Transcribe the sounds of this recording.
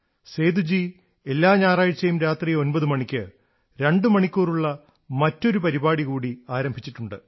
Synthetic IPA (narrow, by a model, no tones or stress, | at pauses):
se̞ːd̪ud͡ʑi | e̞lːaːɲaːraːjit͡ɕːɐjumɾaːt̪riːjo̞nbɐðɨmɐɳikʲːɨ | ɾe̞ɳɖɨmɐɳikʲːuːruɭːɐ | mɐtːo̞ɾupɐɾibaːɽiɣuːɽiaːɾɐmbʱit͡ɕːiʈːuɳɖɨ